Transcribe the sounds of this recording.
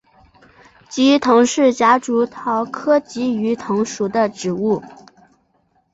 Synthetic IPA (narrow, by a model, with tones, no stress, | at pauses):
t͡ɕi˧˥t̪ʰɤ˧˥ŋʂɻ̩˥˩t͡ɕja˧˥ʈ͡ʂu˧˥t̪ʰɑ˧˥ʊkʰɤ˥t͡ɕi˧˥y˧˥t̪ʰʊ˧˥ŋʂu˨˩d̪ə˧ʈ͡ʂɻ̩˨˩u˥˩